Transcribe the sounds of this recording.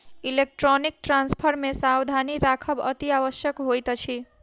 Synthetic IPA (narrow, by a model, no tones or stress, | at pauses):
ilek̚ʈrɔnik̚ʈranspʰʌɾmesawd̪ʱaniɾakʰʌbʌ̰t̪iabʌsjʌkɦojt̪ʌt͡sʰi